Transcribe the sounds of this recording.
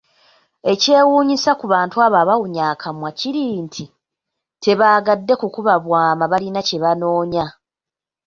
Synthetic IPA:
e̞ce̞ːwuːɲisakuβaːntuaβaːβawuɲaːkʰamwaciɾiːntʰi | tʰe̞βaːɡadːe̞kukuβaβwaːmaβalinace̞βanoːɲa

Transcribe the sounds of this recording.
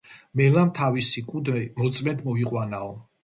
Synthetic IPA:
mɛlamt̪ʰavisikʼud̪mɔt̪sʼmɛnd̪mɔiqʼwanaɔ

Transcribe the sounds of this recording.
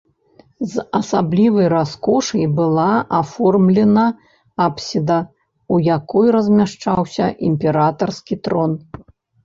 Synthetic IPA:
zɐsablʲivɐjraskɔʂɐjbɨlˠaʔafɔrmlʲɛnɐ | apsʲid̪ɐ | ujakɔjrɐzʲmʲaʂt͡ʂawsʲɐ̰ʔimʲpʲɛɾat̪ɐrskʲit̪ɾɔn

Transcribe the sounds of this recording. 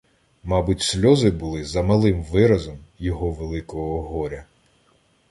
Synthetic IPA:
mɑbʊtʲsʲlʲɔzɪbʊlˠɪzɐmɐlˠɪmʋɪɾɐzɔmjɔɦɔʋelˠɪkɔɦɔːɦɔɾʲɐ

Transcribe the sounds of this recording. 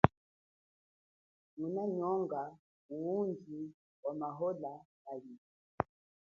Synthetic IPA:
munaɲɔŋɡa | uund͡ʒi | wamaɦɔlajali

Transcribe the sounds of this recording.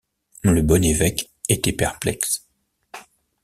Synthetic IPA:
ləbɔnevɛk | et̪ɛpɛʁplɛks

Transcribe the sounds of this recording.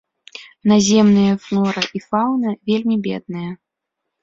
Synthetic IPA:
nazʲɛmnɨjɐfnˠɔɾɨʔifawnɐvʲelʲmʲibʲɛ̰d̪̚nɨjɐ

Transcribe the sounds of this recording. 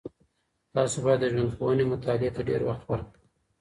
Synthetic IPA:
t̪ɑsobɑjad̪ːəʒwand̪xowənemʊt̪ɑlɪet̪aɖḛɾwaxt̪waɾəm

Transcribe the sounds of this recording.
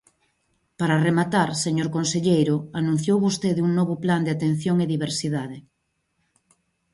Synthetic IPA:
paɾaremat̪aɾseɲoɾkonseʎejɾʊanũn̟θjowβost̪eðuŋnɔβʊpland̪eat̪ẽn̟θjoŋeðiβ̞eɾsiðaðe

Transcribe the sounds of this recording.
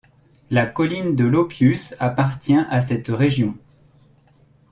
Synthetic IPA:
lakɔlind̪əlɔpjysapaʁt̪jɛ̃ʔasɛt̪ʁeʒjɔ̃

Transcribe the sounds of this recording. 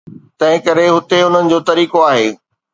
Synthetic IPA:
t̪ɐ̃ɦɪ̃kɐɾeɦʊt̪eʊn̤ənɪ̆d͡ʑoːt̪ɐɾiːkoaːɦeː

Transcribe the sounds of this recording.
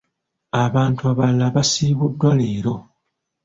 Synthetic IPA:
aβaːntuaβalːaβasiːβudːwale̞ːɾo̞

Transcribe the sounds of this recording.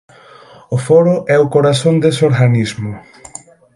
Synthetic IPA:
ʊfɔɾʊʔɛʊkoɾaθond̪esoɾɣanizmʊ

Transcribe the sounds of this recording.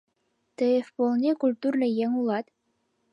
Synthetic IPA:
t̪eefpolˠnʲekulʲt̪urnɤ̆jeŋulˠɑt̪

